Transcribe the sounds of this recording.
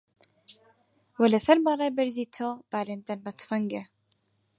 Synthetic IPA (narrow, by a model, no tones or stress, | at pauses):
wɐlɐsɐɾbɑːrˤɑːjbɐɾziːt̪ʰob̥aːleːnd̪ɐnbɐt̪ʰfɐŋɡe